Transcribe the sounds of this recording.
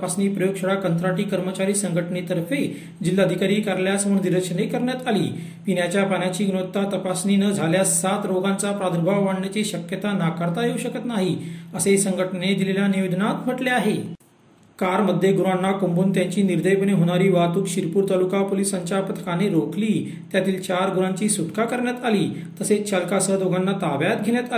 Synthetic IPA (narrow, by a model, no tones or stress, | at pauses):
pasniːpɾəjoɡɕəɽakənt̪ɾaʈiːkəɾmət͡ɕaɾiːsəŋɡʱəʈnet̪əɾfe | d͡ʑilːəd̪ʱikaɾiːkəɾljasəməɳniɾəkɕənekəɾɳjat̪alḭː | pinjat͡ɕjapanjat͡ɕiːɡnot̪ːat̪əpasniːnəd͡zʱaljaat̪ɾoɡãnt͡sapɾad̪əɾbʱaʋʋaɳnjat͡ɕiːɕəkjət̪anakəɾt̪aɦjeuɕəkət̪naɦiəsesəŋɡʱəʈned̪ileljaniʋed̪ʱənat̪m̤əʈleaɦe | kaɾməd̪ʱːjeɡuɾanːakombuːnt̪jaɲt͡ɕiːniɾd̪əjpəneɦoɽ̃aɾiːʋat̪uːkɕiɾpuːɾt̪alukapolisaɲt͡ɕjapət̪ʰə̥kaneɾokʰliː | t̪jat̪iːlt͡ɕaɾɡuɾãɲt͡ɕiːsuʈkakəɾɳjat̪aliː | t̪əset͡ɕʰalkasəd̪oɡanːat̪aʋjat̪ɡʱeljat̪a